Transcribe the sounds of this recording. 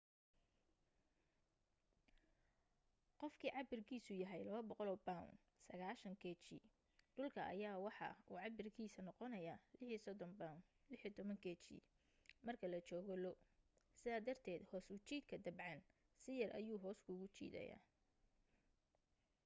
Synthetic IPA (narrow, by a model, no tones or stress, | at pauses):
qɔfkʰiːʕɑbɪrkʰiːsʊjɐɦɛjlɐβɐbɔqɔlɔbaʊ̰n | sɐɣaːʃɐŋkʰɛːt͡ʃḭ | ɖʊlkʰɐʔɐ̰jaːwɑħɑ̰uːʕɑbɪrkʰiːsɐnɔqɔnɐjaːlɪħiːsɔd̪ɔnbaʊn | lɪħiːt̪ʰɔβɐŋkʰɛt͡ʃḭ | mɐrkʰɐlɐt͡ʃɔːɣɔlɔ | sɪðaːd̪ɐrt̪ʰɛːd̪hɔːsʊt͡ʃiːd̪kʰɐd̪ɐbʕɑn | sɪjɐrʔɐ̰juːɦɔːskʰʊɣʊt͡ʃḭːd̪ɐ̰ja̰ː